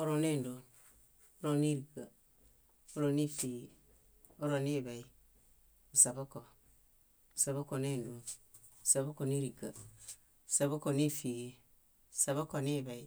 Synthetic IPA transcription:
o˦ɾo˨ne˦˨ndo˨n | o˦ɾo˨ni˦ɾi˨ɡa˨ | o˦ɾo˨ni˦fi˨ɡi˨ | o˦ɾo˨ne˦˨ba˨i˨ | u˨sa˨bo˦ko˨ | u˨sa˨βo˦ko˨ne˦ndo˨n˨ | sa˨bo˦ko˨ni˦ɾi˨ɡa˨ | sa˨bo˦ko˨ni˦fi˨ɡe˨ | sa˨βo˦ko˨ni˦ba˨i˨

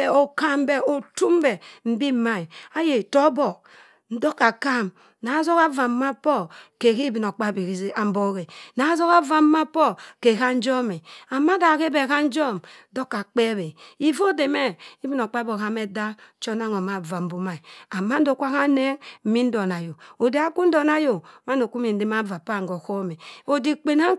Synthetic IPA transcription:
e˨o˨ka˦mbe˦o˨tu˦mbɛ˨m̩˦bi˦˨˦ma˦i˨a˦je˨to˦bɔ˨ | n̩˦do˦ka˨ka˦˨m | na˨˦zo˦ka˦va˨m˦ma˦pɔ˦ke˨ki˦bi˨no˨k͡pa˦˨bi˨i˨˦a˨m̩˦bo˦ɣe˨na˨˦zo˦ka˦va˨m˦ma˦pɔ˦ke˨ka˦n̩˦d͡ʒɔ˦mi˨a˨ma˦da˨ke˦be˨ka˦n̩˦d͡ʒɔ˦mdo˦kːa˨k͡pe˦be˨i˦vo˦de˨me˦i˦bi˦no˨k͡pa˦bo˨ɣa˦me˦da˦t͡ʃo˦na˦ŋo˨ma˨va˨m̩˨˦bu˦ma˨i˨a˨ma˦n̩˦do˨ku˦a˦ɣa˦ne˦m̩˦mi˦n̩˦do˨na˨jo˨o˨de˨a˦ku˦n̩˦do˨na˦jo˨ma˦n˦do˨ku˦mi˨n̩˦de˦ma˦va˨pa˨ŋɡo˨ko˦me˨o˨di˨k͡pe˨na˦

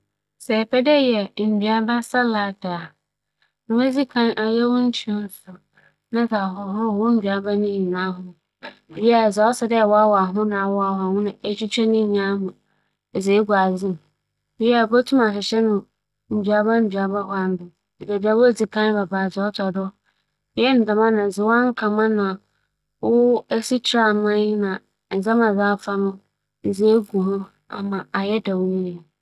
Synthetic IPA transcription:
sɛ˨pʰɛ˦dɛ˦jɛ˨m̩˨bɥa˨bã˦sa˦la˨ta˨ | nʊ̃˨bɛ˦d͡zi˦kʰã˦nʔa˨jɛ˦wʊ̃˦n̩˦tʰi˦ɔ˦n˦sʊ˨ | nã˦za˨ɦɔ˨hʊ˦˨wɔ̃˦m̩˦bɥa˨ba˦nʊ̃˦i˨nã˦ɦʊ̃˦ | ba˦˨za˨˦ɔ˦sɛ˨dɛ˦˨wɔ˦a˦wɔ˨a˨ɦʊ̃˦nã˨a˨wɔ˦a˨wa˨hʊ̃˦nʊ̃˨e˦t͡ɕi˦t͡ɕʰᶣɛ˦nɪ̃˦˨ɲã˦ɦʊ̃˨ | ɛ˨ze˨˦ɡu˨a˨d͡zɪ̃˦m˨ | bjɛ˦a˨bo˦tʰu˦ma˨ɕɪ˨ɕɛ˦nʊ̃˨ | m̩˨dɥa˨bã˦m̩˨dɥa˨ba˦ha˦m˦bɪ˨ | bɛ˨bi˨a˦wʊ˦d͡zi˨kʰã˦n˦ba˨ba˨d͡zɪ˨ɔ˦tʰɔ˨dɔ˦ | ɛ˦n̩˨da˨mã˦nã˨zɪ˨wa˦ŋ̩˦kʰã˨mã˦nã˨ | wʊ˦ɛ˦si˦tʰɾa˦˨mã˦ɪ˦nã˨ | n̩˨za˦mã˨za˦fa˦nʊ̃˦˨ | ze˨˦ɡu˨hʊ̃˦ | a̰˨mã˨a˨jɛ˦da˨wi˦ni˨

